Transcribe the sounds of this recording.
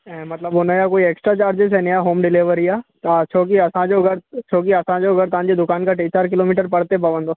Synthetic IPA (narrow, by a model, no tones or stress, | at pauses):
ɛ̃mɐt̪ləbonəjakoːieːksʈɾat͡ʃaːɾd͡ʒes̬ɛnejaɦoːmɖɪleːʋəɾijat̪at͡ʃʰoːk̬iɐsãd͡ʒoːɡɐɾt͡ʃʰoːkiɐsãd͡ʒoːɡɐɾt̪ãːnd͡ʒed̪ʊkaːnkaʈeːt͡ʃaːɾk̬ɪloːmiːʈəɾpɐɽt̪epɐʋə̃nd̪o